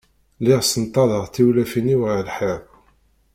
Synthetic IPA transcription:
lɪʁsənt̪ˤːɑðəʁθiwlæfiniwʁlħeb

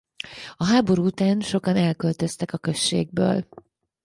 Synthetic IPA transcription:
ɒɦaːbo̞ɾuːut̪aːnʃo̞kɒnɛlkølt̪ø̞st̪ɛkɒkø̞ʃːḛːɡ̚bø̰ːl

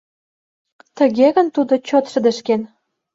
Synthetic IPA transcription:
t̪ə̆ɣeɣə̆nt̪ud̪ot͡ɕot̪ʃə̆d̪ə̆ʃken

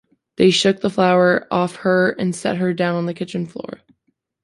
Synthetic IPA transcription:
ðeɪʃʊk̚ðəflaʊə˞ʔɔfhə˞ɨ̰̃nsɛ̰t̚ɦə˞dãʊ̃nə̃n̩ðɨkʰɪt͡ʃɨ̃nflɔ̰ɹ

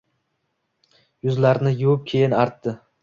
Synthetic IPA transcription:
jʊzlaɾnɪjʊwɪp̚kʲʰejɪnaɾt̪ʰːɪ

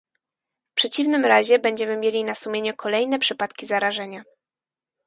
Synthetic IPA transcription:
pʂɛt͡ɕivnɘmɾaʑɛbɛɲd͡ʑɛmɘmʲjelʲinasumʲjeɲɛkʰɔlɛjnɛpʂɘpat̪kʲizaɾaʐɛɲa

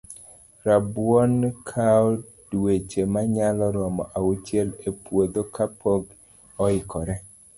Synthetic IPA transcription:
ɾabwɔnkʰaɔ | dwet͡ʃemaɲalɔɾɔmɔʔaut͡ʃjelepwod̪okapoɡ | ɔɪkɔɾɛ

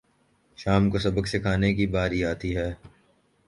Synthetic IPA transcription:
ʃaːmkosɐbəksekʰaːnekibaːɾiaːt̪iɦɛː

